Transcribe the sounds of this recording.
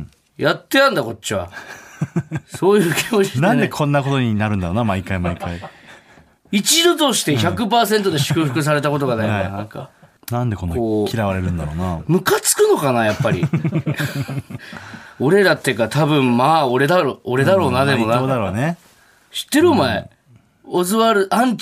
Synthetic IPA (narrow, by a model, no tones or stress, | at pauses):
jat̪ːe̞j̪ãnd̪ako̞t͡ɕt͡ɕːiβa̰ | soːjɯ̟ːkʲimot͡ɕnaãnd̪ekʰõ̞nːako̞t̪o̞ɲ̟inaɾɯ̟naɾoːnamaikaimaikai | it͡ɕid̪o̞t̪o̞ɕi̥t̪e̞çakɯ̟paːsẽ̞nt̪o̞d̪e̞ɕɨ̥kɯ̟ɸɯ̟kɯ̟s̬aɾe̞t̪ako̞t̪̬o̞ɡanaikanãŋka̰ | nãnd̪ekonːaoːkʰʲiɾaβaɾe̞ɾɯ̟̃nd̪aɾoːnamɯ̟kat͡sɨ̥kɯ̟no̞kanajapːaɾʲḭ | o̞ɾe̞ɾat̪ːekat̪ʰabɯ̟̃mmaːo̞ɾe̞d̪aɾooɾe̞d̪aɾo̞ːnad̪e̞mo̞naːd̪aɾo̞ːne | ɕi̥t̪ːe̞ɾɯ̟maḛ | ozɨβaɾɯ̟ʔãɲ̟